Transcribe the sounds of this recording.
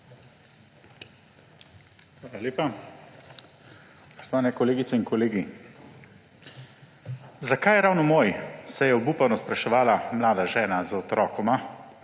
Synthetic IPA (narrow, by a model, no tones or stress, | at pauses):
xʋaːlaleːpa | pɔst̪aːnɛkɔleːɡit̪sɛinkɔleːɡi | zakajɛɾawnɔmoːjsɛjɛɔbuːpanɔspɾaʃɛʋaːlamlaːd̪aʒɛːnazɔt̪ɾʔɔːkɔma